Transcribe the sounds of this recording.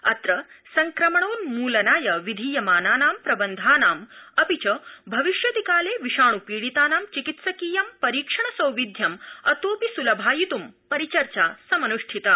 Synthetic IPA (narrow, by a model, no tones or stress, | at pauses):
ɐ̰t̪ɾɐsɐŋkɾɐmɐɳoːnmuːlɐnaːjɐʋid̪ʱiːjɐmaːnaːnaːmpɾɐbɐnd̪ʱaːnaːmɐpit͡ʃɐbʱɐʋiʃjɐd̪ʱikaːleːʋiʃaːɳupiːɽit̪aːnaːmt͡ʃikit̪sɐkiːjɐmpɐɾiːkʂɐɳɐsɐwʋid̪ʱjɐmɐt̪oːpisulɐbʱaːjit̪umpɐɾit͡ʃɐɾt͡ʃaːsɐmɐnuʂʈʰit̪ɐ